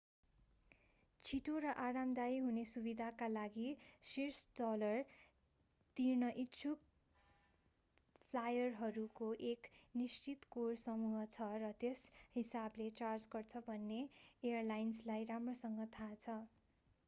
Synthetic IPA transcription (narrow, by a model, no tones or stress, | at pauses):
t͡sʰiʈoɾʌʔaɾamd̪ajɦunesubid̪ʱakalaɡisirsdʌlʌr | t̪irnʌʔitːt͡sʰuk | pʰlajʌrɦʌɾukoʔeknist͡sit̪korsʌmuɦʌt͡sʰʌrʌt̪eshisablet͡sard͡zɡʌrt͡sʰʌbʱʌnːeejʌrlajnslajramrosʌŋɡʌt̪ʰat͡sʰʌ